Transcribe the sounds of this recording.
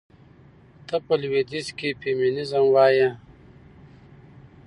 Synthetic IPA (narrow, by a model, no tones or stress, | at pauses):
t̪əpəlwed̪iskipeminizɐmwaːjã